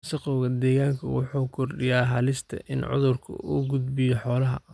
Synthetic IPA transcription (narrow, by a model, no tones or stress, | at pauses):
sɐqɔwɣɐd̪ɛːɣaːŋkʰɐwʊħuːkʰɔrɖɪjaːɦɐlɪst̪ʰɐ̰ʔɪnʕʊ̰ðʊrkʰɐ̰uːɡʊd̪bɪjɔħɔːlɐɦɐ̰